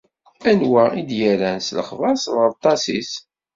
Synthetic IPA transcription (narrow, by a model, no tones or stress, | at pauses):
ænwaid̪jæɾænslə̰χvɑsðˤəˤt̪ˤːɑsis